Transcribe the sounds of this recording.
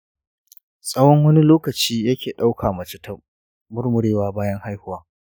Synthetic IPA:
sʼɐ˦wɔ˦ŋwɐ˦ni˦loː˦kɐ˨t͡ʃiː˦jɐ˦kʲʰeː˨ɗa˦wkʰaː˨mɐ˨t͡ʃɪ˦tʰɐ˦m | mʊ˦rmʊ˨ɽeː˦waː˦baː˦jɐ˦ŋha˦jhʊ˦waː˦

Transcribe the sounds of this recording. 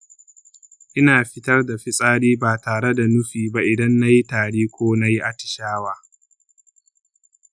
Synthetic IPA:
ʔɪ˦naː˨ɸɪ˦tɐ˦rda˨ɸɪ˦sʼaː˦ɽiː˦baː˨taː˨ɽe˦da˨nʊ˦ɸiː˨ba˦ʔɪ˨dɐ˦nːa˦ji˦taː˨ɽiː˦kʷoː˦na˦ji˦ʔa˦tɪ̥˨ʃaː˦waː˦

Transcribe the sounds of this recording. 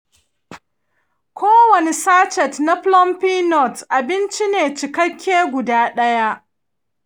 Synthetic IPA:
kʷoː˦wɐ˨ne˨saː˦t͡ʃɛ˨tna˦ɸlɔ˦mpiː˦nɔ˦˨tʔa˨bɪ˦nt͡ʃi˦neː˨t͡ʃɪ˨kɐ˦kʲʰːeː˦ɡʷʊ˨daː˦ɗɐ˦ja˦ʔ

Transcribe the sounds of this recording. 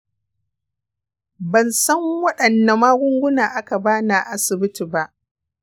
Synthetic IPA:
bɐ˨nsɐ˦ŋwɐ˦ɗɐ˨nːa˨maː˦ɡʷʊ˦ŋɡʷʊ˦naː˨ʔa˦ka˨baː˦na˨ʔa˦sɪ˨bɪ˦tiː˨ba˦ʔ

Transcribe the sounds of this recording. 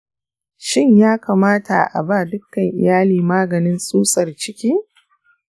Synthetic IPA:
ʃɪ˦ɲjaː˦kaː˨maː˦tʰa̰˨ʔa̰˨baː˦˨dʊ˦kːɐ˨ŋʔɪ̰˨jaː˦liː˨maː˦ɡɐ˨nɪ˦nsʼuː˦sʼɐ˨rt͡ʃɪ˦kʲiː˦

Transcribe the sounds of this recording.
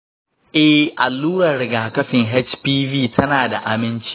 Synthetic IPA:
ʔɛ˦hʔa˨lːuː˦ɾɐ˨rɽɪ˨ɡaː˨kɐ˦ɸɪ˨ŋɦɛ˦t͡ʃpiː˦viː˦˨tʰɐ˦naː˨da˨ʔa˨mɪ˦nt͡ʃi̥˦

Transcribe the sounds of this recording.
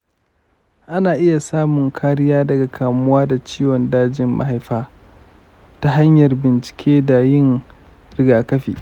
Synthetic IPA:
ʔa˦naː˨ʔɪ˦ja˨saː˦mʊ˨ŋkʰaː˦ɽɪ˦jaː˦dɐ˨ɡa˨kʰaː˨mʊ˦waː˦da˨t͡ʃiː˦wɔ˨ndaː˦d͡ʒɪ˨mma̰˦ɦa˨jɸaː˦ | ta˦ɦa˦ɲjɐ˨rbɪ˨nt͡ʃɪ̥˨kʲʰeː˦da˨jɪ˦˨ŋ | ɾɪ˦ɡaː˨kɐ˦ɸḭː˨

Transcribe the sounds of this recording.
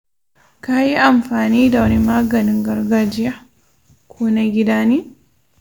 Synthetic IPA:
ka˦ji˦ʔa˨mfaː˨niː˦da˨wɐ˦nimaː˦ɡɐ˨niŋɡɐ˨ɾɡad͡ʒɪ˦ja˦ | kʰu˦naɡʲi˦daːni˦

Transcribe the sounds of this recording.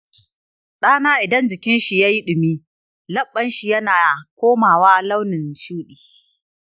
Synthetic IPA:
ɗaː˦naː˦ʔɪ˨dɐ˦nd͡ʒɪ˨kʲɪ˦nʃi˨jaː˦ji˦ɗʊ˨miː˦ | lɐ˦ɓːɐ˦nʃi˨jɐ˦naː˨kʷoː˦maː˨waː˦la˦wnɪ˨nt͡ʃuː˦ɗiː˨

